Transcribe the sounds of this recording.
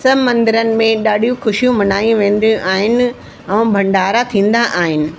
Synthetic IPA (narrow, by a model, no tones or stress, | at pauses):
sɐmɐ̃nd̪ɪɾənɪ̆mẽɗaːɖʱijũxʊʃijũmɐnaːĩʋẽːn̆d̪ijũʔaːɦɪnɪ̆ | ɛ̃ːbʱɐ̃ɳɖaːɾat̪ʰĩːnd̪aʔaːɦɪnɪ̆